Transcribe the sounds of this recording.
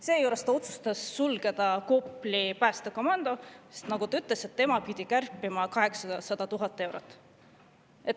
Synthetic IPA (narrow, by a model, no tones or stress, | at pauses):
se̞ːjuɾest̪ɑo̞t̪su̥st̪ɑsːulɡe̞d̪̥ɑko̞pːˑlipæːst̪eko̞mɑnd̪̥o̞se̥st̪nɑɡ̥ut̪ɑyt̪ˑleset̪ːe̞mɑpid̪̥ʲikærpːˑimɑkɑɦe̞ksɑsɑd̪̥ɑt̪uɦɑt̪ːˑe̞wɾot̪ːˑ | et̪ː